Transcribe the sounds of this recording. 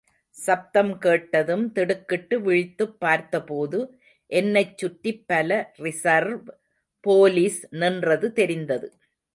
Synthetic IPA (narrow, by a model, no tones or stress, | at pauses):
sɐp̚t̪ɐmkeːʈːɐðɯmt̪ɛɽɯkːɪʈːɯʋɪɻɪt̪ːɯpːaːɾt̪ɐpoːðɯ | ʔɛnːɐɪt͡ʃːʊʈːipːɐlɐrɪsɐɾʋ | poːliːsnɪndrɐðɯt̪ɛɾɪnd̪ɐðɯ